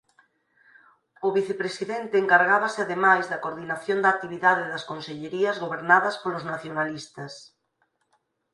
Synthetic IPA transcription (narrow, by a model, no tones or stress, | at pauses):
ʊβiθepɾesiðent̪eːŋkaɾɣaβɐsɪaðemajzðɐkoɾðinaθjond̪ak̚t̪iβiðaðeðɐskonseʎeɾiɐzɣoβeɾnaðɐspolʊznaθjonalist̪ɐs